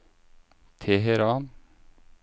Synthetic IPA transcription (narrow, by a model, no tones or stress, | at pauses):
t̪ʰeːɦɛɾɑːn